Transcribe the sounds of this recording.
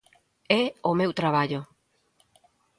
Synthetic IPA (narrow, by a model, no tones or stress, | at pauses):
ɛomewt̪ɾaβaʎo